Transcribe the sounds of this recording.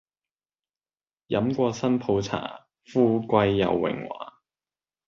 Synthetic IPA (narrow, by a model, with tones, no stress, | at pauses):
jɐ˨˥mkʷɔː˧sɐ˥npʰo˨˧wt͡sʰa̰ː˨˩ | fuː˥kʷɐ˧jːɐ̰˨˧wːɪ̰˨˩ŋwa̰ː˨˦